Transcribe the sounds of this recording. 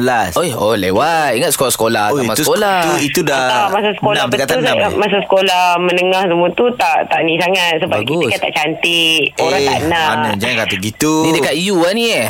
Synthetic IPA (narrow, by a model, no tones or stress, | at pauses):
əlasoolewat̪̚iŋət̪̚sə̥kolahsə̥kolahamasukolat̪it̪udaamasasə̥konãmt̪əkat̪anamas̬asə̥kolahmənəŋahsəmut̪ut̪aʔt̪aʔnisaŋat̪̚səbaskɡiuskat̪a̰ʔt͡ʃant̪ioɾɾaŋtt̪a̰ʔnaanəd͡ʒakat̪uɡit̪unidəkat̪̚ijuanĩa